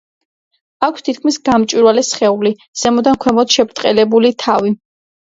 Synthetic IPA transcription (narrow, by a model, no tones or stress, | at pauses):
akʷʰst̪ʰit̪̚kʰmisɡamt͡ʃʼwiɾwalɛsχɛuli | z̥ɛmɔd̪ankʰwɛmɔt̪ʃɛbɾt̪ʼqʼɛlɛbulit̪ʰavi